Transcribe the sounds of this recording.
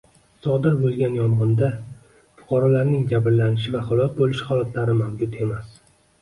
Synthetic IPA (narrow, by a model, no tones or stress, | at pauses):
sɒd̪ɪɾbolˠɡʲanjɒmʁɒnd̪a | fʊ̥qʰɑɾɒlaɾnɪŋd͡ʒabɾlanɪʃɪvahʊlˠɒs̚bolɪʃhɒlat̪ʰlaɾɪmawd͡ʒʊt̪e̞mas